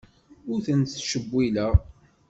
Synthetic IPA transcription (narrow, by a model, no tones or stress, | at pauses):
ʊɾθənt̪θʃəbːilæʁ